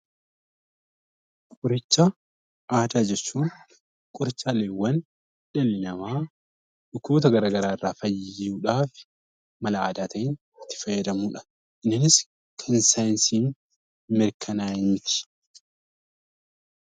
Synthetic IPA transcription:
kʼʊɾɪt͡ʃːɐ | ʔaːd̪aːd͡ʒɛt͡ʃːuːn | kʼʊɾɪt͡ʃːaːleːwːɐn | ᶑɛlɪnɐmaː | ᶑʊkːuːt̪ɐɡɐɾaːɡɐɾaːɪrːaːfɐjːɪuːᶑaːfɪ̥ | mɐlɐaːd̪aːt̪ɐɪn | ɪt̪ːɪ̥fɐjːɐd̪ɐmuːᶑɐ̥ | ʔɪnːɪnɪs | kʰɐnsajnsiːn | mɪɾkʰɐnaːhɪmɪt̪ɪ̥

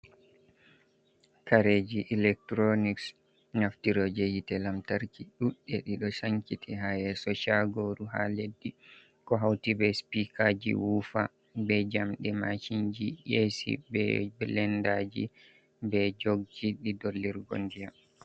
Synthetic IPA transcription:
kaɾed͡ʒiʔilɛk̚tɾoniks | naftiɾɔd͡ʒejitɛlamtaɾkiɗuɗːɛɗiɗɔsaŋkitʰiɦajɛsɔʃaɡoɾuɦa̰ledːi | kɔɦawtibɛspikʰad͡ʒḭwufa | bɛd͡ʒamɗɛmaʃind͡ʒijesḭbɛ̰bɛlɛndad͡ʒḭ | bɛd͡ʒoɡ̚d͡ʒiɗidolːiɾɡo̰ndija

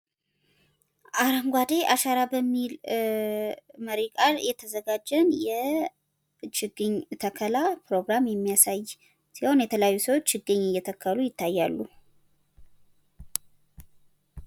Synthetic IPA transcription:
ʔaɾaŋɡʷad̪e̞ʔaʃaɾabəmːil | məɾikʼaljɛt̪ʰəzəɡad͡ʒənjɛ | t͡ʃɪɡɨɲt̪ʰəkʰəlapɾo̞ɡɾamjɛmːijasaj | siho̞njɛt̪ʰələjajːusəwot͡ʃːt͡ʃɨɡːɨɲːɨjːɛt̪ʰəkʰːəlujɪt̪ʰːajːalːu

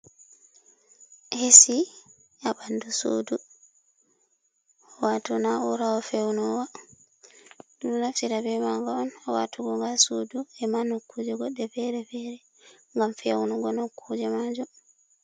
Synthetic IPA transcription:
hesi | ʔaɓanduso̰du | ɔwatunaɔɾawɔfɛwnɔwa | dunnaft͡ʃiɾabɛmaŋɡɔɔnawa̰tʰuɡɔŋɡasuduɛmanokːud͡ʒɛɡɔɗːɛfɛɾɛfɛɾɛ | ŋɡamfɛwnuɡɔnokʰːud͡ʒɛmad͡ʒɔ

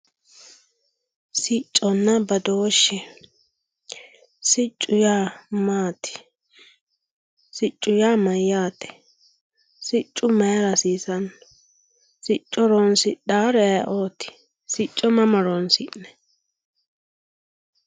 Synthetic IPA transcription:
sɪt͡ʃʼːɔnːɐbɐd̪oːʃːɛ | sɪt͡ʃʼːʊjaːmaːt̪ɪ̥ | sɪt͡ʃʼːʊjaːmɐjːaːt̪ɛ̥ | sɪt͡ʃʼːʊmɛjɾɐsiːsɐn | sɪt͡ʃʼːɔɾoːnsɪɗaːɾɛ̰ʔoːt̪ɪ̥ | sɪt͡ʃʼːɔmɐmɐɾoːnsɪnnɛ̥

